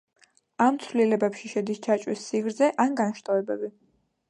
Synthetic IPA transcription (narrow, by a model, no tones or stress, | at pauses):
amt̪sʰwlilɛbɛpʃiʃɛd̪ist͡ʃʰat͡ʃʼwisːiɡɾzɛʔanɡanʃt̪ʼavɛbɛbi